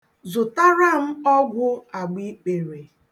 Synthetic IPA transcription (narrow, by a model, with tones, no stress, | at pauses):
zʊ˨ta˦ɾa˦m̩˦ɔ˦ɡʷʊ˦a˨ɡ͡bi˦k͡pe˨ɾe˨